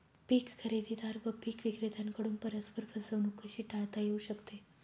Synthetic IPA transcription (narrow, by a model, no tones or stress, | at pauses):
pikkʰəɾed̪id̪aɾbəpikʋiɡɾed̪ankəɽumpəɾəspəɾpʰəsənukʰəʃiʈaɭt̪ajeuʃəkt̪e